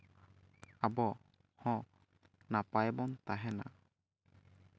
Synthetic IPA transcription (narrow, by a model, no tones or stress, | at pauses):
abɔ | hɔ̃ | napajbɔnt̪aɦɛna̰